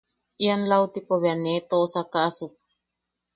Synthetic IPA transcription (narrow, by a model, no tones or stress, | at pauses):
ʔianlawt̪ipoβeanet̪oʔsakaʔasuk̚